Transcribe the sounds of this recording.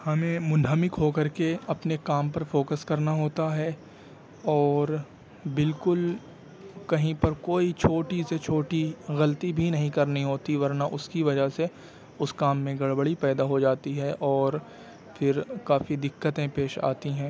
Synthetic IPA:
hɐmẽmʊnɦəmɪkɦokɐɾkeɐpnekaːmpɐɾfoːkəskɐɾnaɦoːt̪aɦɛ | ɔːɾ | bɪlkʊl | kɐɦĩpɐɾkoːit͡ʃʰoːʈiset͡ʃʰoːʈiɣɐlt̪ibʱinɐɦĩkɐɾnĩɦoːt̪iʋɐɾnaʔʊskiʋɐd͡ʒaɦse | ʊskaːmːẽɡɐɽbəɽipɛːd̪aɦod͡ʒaːt̪iɦɛʔɔːɾ | fɪɾkaːfid̪ɪkːət̪ẽpeːʃa̰ːt̪iɦɛ̃ː

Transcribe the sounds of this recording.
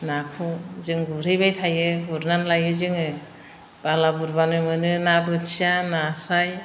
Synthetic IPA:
nakʰɔzɯŋɡuɾɯjbajtʰajɯuɾnanlajɯzɯŋɯ | b̥alabuɾbanɯmɯnɯnabɯtsijanasaj

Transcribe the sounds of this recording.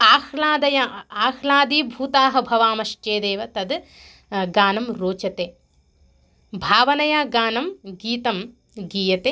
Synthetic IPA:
aːxlaːd̪ɐjaaːxlaːd̪iːbʱuːt̪aːɦɐ̆bʱɐʋaːmɐʃt͡ʃeːd̪eːʋɐt̪ɐd̪ | ɡaːnɐmɾoːt͡ʃɐt̪eː | bʱaːʋɐnɐjaːɡaːnɐmɡiːt̪ɐm | ɡiːjɐt̪eː

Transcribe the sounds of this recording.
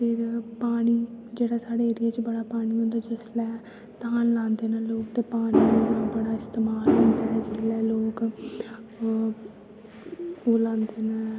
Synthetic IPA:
pɪɾpaːɽ̃iːd͡ʒeːɽaːsaːɽeːeːɾɪjaːt͡ʃbəɽaːpaːɽ̃iːɦʊ̃nd̪aːd͡ʒɪslɛː | t̪aːnlãːnd̪eːnãːloːk̚t̪eːpaːɽ̃iːonãːbəɽaːɪst̪eːmaːlɦʊ̃ːnd̪aːɦɛːd͡ʒɪslɛːloːk | oːlãːnd̪eːnaː

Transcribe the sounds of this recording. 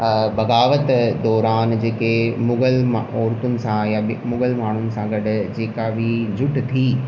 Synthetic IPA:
bɐɡaːʋət̪d̪ɔːɾaːnd͡ʑeːkemʊɡəlmɔːɾt̪ʊnɪ̆sãjamʊɡəlmaːɳ̤ʊnɪ̆sãɡɐɽd͡ʑeːkabʱid͡ʑʱʊʈt̪ʰiː

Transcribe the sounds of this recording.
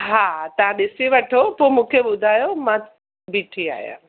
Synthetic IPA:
ɦaːt̪ɐʋ̤ãɗɪsiʋɐʈʰopomũːkʰeɓʊd̪ʱaːjomã | biʈʰia̰ːjã̰ː

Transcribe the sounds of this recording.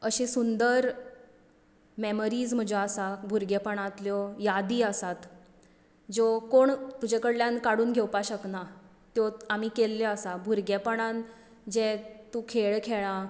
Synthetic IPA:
əɕesund̪əɾ | meməɾiːd͡zm̤əd͡ʑɔasabʱuɾɡepəɳãt̪ljɔjad̪iːəsat̪ | d͡zɔkoɳt̪ud͡ʑekəɽljankaɽuːnɡʱewpaɕəkna | t̪jɔamiːkelːɔəsabʱuɾɡepəɳan | d͡ʑet̪ũkʰeɭkʰeɭã

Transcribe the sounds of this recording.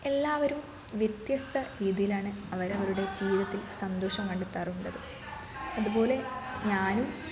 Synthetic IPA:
e̞lːaːʋɐɾum | ʋjet̪jɐst̪ʰɐɾiːðijilaːɳɨɐʋɐɾɐʋɐɾuɽe̞d͡ʑiːiðɐt̪ːilsɐnd̪oːʂɐmkɐɳɖɨt̪ːɐːruɳɖɐðɨ | ɐðubo̞ːle̞ɲaːnum

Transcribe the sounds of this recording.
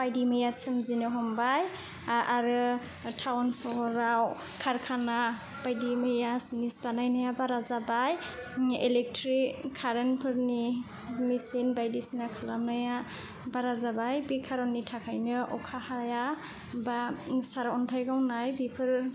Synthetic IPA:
b̥ajdimɯjasɯmzinɯɦɔmbaj | aɾɯ | tʰawnsɔɦɔɾaw | kʰaɾkʰana | bajdimɯjasnisbanajnajabaɾazabaj | elɛk̚tʰɾikʰːaɾenpʰɯɾni | misinbajdisinakʰalanaja | baɾazabajbikʰaɾɔnːitʰakʰajnɯʔɔkʰahaja | basaɾɔntʰajɡawnajbipʰɯɾ

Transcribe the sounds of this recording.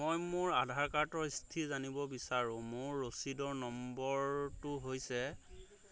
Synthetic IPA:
ojmʊɹadʱaɹkatɔɹistʰizanibɔbisaɹũmʊɹːosidɔɹnɔmbɔɹtʊɦojsɛ

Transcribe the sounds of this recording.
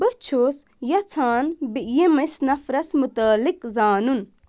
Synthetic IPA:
bɨt͡ʃʰoːs | jɐt͡sʰaːnbijemɐsnɐfɾɐsmut̪aːlikzaːnun

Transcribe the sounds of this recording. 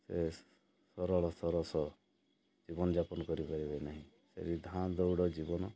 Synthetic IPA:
se | sɔɾɔɭɔsɔɾɔsɔ | d͡ʒibɔnɔd͡ʒapɔnkɔɾipɔɾibenaɦĩ | sḛɾid̪ʱãd̪ɔwɽɔd͡ʒibɔnɔ

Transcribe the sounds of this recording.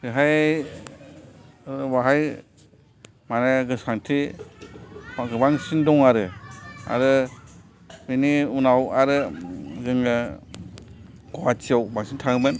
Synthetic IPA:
ɾɯɦaj | baɦaj | manɯɡɯsaŋtʰi | aɡɯbaŋsindɔŋaɾɯa̰ɾɯ | miniunawaɾɯzɯŋɯ | ɡ̥ɔwat͡ʃiawbaŋsintʰaŋmɯn

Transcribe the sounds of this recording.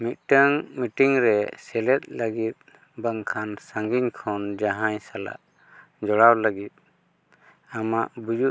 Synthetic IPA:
mit̪̚ʈəŋmiʈiŋɾɛsɛlɛt̪̚ˀləɡit̪̚ | bəŋkʰansaŋɡiɲkʰɔnd͡ʒaɦaɲsala̰ʔ | d͡ʒɔɽawlaɡit̪̚ | amaʔbud͡ʒu

